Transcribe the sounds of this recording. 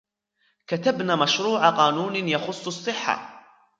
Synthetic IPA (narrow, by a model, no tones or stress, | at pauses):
kat̪abnaːmaʃɾuːʕaqɑːnuːnjɑxʊsˤːɑsˤːɨħːa̰